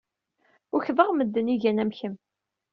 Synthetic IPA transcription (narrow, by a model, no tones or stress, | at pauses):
ʊçvəʁməd̪ːəniʝænæmçəm